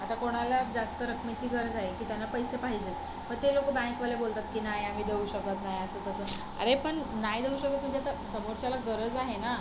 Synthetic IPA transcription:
at̪akoɽ̃alad͡zast̪əɾəkʰmit͡ɕiːɡəɾd͡zaɦekiːt̪janːapəjsepaɦid͡ʑet̪ | pəɳt̪elokəbãŋkʋalebolt̪at̪kiːnajam̤iːd̪euɕək̚t̪at̪najəsət̪əsə | a̰ɾepəɳnajd̪euɕək̚t̪at̪m̤əɳd͡zeat̪asəmoɾɕalaɡəɾəd͡zaɦena

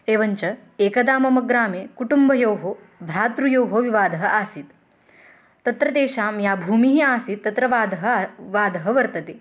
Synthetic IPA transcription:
eːʋɐɲt͡ʃɐeːkɐd̪aːmɐmɐɡɾaːmeːkuʈumbʱɐjoːɦoː | bʱɾaːt̪ɾujoːɦoːʋiʋaːd̪ɐɦɐʔaːsit̪ | t̪ɐt̪ɾɐt̪eːʃaːmjaːbʱuːmiɦiaːsit̪ːɐt̪ɾɐʋaːd̪ɐɦɐʋaːd̪ɐɦɐʋɐɾt̪ɐt̪eː

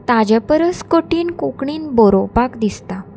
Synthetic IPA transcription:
t̪ad͡ʑəpəɾəskoʈiːnkukɳiːnboɾopakd̪ist̪a

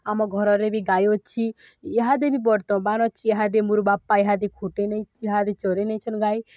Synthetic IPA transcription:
amɔɡʱɔɾɔɾebʱiɡajɔt͡ʃʰi | eɦad̪ebʱibɔɽt̪ɔ̃banɔt͡ʃʰieɦad̪emuɾubapːaeɦad̪ekʰuʈenet͡ʃʰɦad̪et͡ʃɔɾenejt͡ʃʰɔnɡai

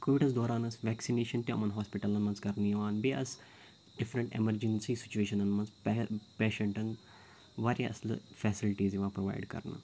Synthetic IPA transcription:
koːʋiɖɐsd̪oːɾaːnɐsʋɛːksineːʃɐnt̪iɐ̰mɐnɦaːspiʈɐlɐnmɐnzkɐɾnijɐʋaːnbeʔɐs | ɖɪfɾɐɳʈḛmɐɾd͡ʒensiːsɪ̥t͡ʃueːʃɐnɐnmɐnzpeːʃẽɳʈɐn | ʋaːɾjaʔɐslfʰɛːsilʈiːzjiʋaːpɾoʋa̰ːɪɖkɐ̰ɾnɐ̰

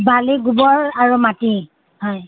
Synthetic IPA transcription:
baliɡubɔɹaɹumati | hɔj

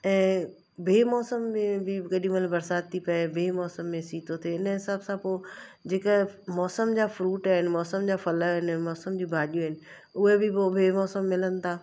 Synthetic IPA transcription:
ɛ̃ː | bʱeːmɔːsəmːẽbʱɪɡɐɗĩməlbɐɾsaːd̪̚t̪ʰːipɐebʱeːmɔːsəmːẽsiːt̪ʰot̪ʰeɪnəɦɪsaːbsãpoːd͡ʑeːkəmɔːsəmd͡ʑaːfɾuːʈaːɦɪnɪ̆mɔːsəmd͡ʑaːfɐləɦɪnːmɔːsəmd͡ʑiːbʱaːɗijoɦɪnɪ̆ | ʊɦebʱɪpobʱeːmɔːsəmːɪlənɪ̆t̪ʰaː

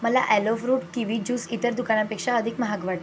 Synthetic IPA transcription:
məla̰ʔɛlɔfɾuːpkĩʋid͡ʑuːsit̪əɾd̪ukañapekʂaəd̪ʱikməɦaɡʋaʈ

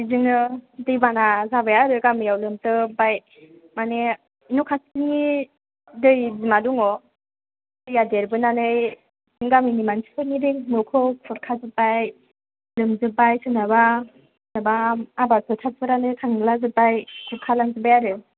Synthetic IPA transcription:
zɯŋɯdɯjbanazabajaɾɯɡamijawlɯmtɯbaj | mane | nɔkʰasiŋi | dɯjzimaduŋɔ | dɯjadeɾbɯnanɯj | zɯŋɡaminimansi̥kʰɯɾnidɯnɔkʰɔɔɾkʰazɯbaj | lɯmzɯbajsɯnaba | nabaːbatʰɔtʰat̚pʰɯɾanɯjtʰaŋɯlazɯbajkʰuɾ̚kʰalaŋzɯbajaɾɯ

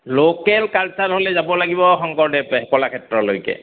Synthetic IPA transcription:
lokɛlkalsaɹɦolɛzabɔlaɡibɔxɔŋkɔɹdɛɦɛkɔlakʰɛtɹɔlojkɛ̰

